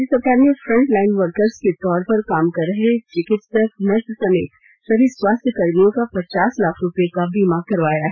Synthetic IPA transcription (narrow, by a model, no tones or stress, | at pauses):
ɪsɐkaːniofɾɐ̃ɳʈlaːɪnʋəɾkəɾzket̪ɔːɾpɐɾkaːmkɐɾːəɦet͡ʃɪkɪʈsʈɐkmɐt̪sɐmeːt̪ | ʃɐɾiːd̪swaːst̪ʰjəkɐɾmijõkapɐt͡ʃaːslaːkʰɾʊpjekabimaːkɐɾʋaːjaɦɛ